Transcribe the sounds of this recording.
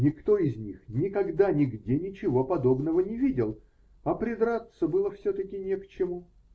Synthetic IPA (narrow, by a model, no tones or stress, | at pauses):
nʲɪkt̪o̞ɪzʲnʲixnʲɪkɐɡd̪anʲɪɡdʲenʲɪt͡ɕɪvo̞pɐd̪o̞bnəvənʲɪvʲidʲɪlˠ | ɐpɾʲɪd̪ɾat̪səbɨlˠəfsʲot̪əkʲɪnʲɪkt͡ɕɪmu